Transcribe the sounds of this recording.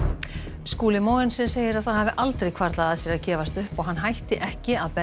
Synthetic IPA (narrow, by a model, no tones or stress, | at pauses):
skuːlɪmoːwɪnsɪnseːjɪɾaðθaðhavɪʔalt̪ɾejkʰvaɾt̪laðaðsjɛɾaðcɛːvast̪ʏhpɔɣɦanːɦajht̪ɪʔɛhcɪaðpɛ